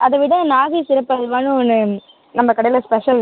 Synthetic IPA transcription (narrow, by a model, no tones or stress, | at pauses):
ʔɐðɐʋɪɽɐ̃naːɣisɪɾɐpːɐlʋaːnɯ̃ɔnːɯ | nɐmːɐkɐɽɐjɪlɐspɛʂɐl